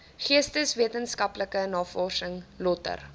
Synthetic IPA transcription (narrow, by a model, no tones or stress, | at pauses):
χiəstəsviətənskɐpləkənɑːfɔːsəŋlɔtə̰r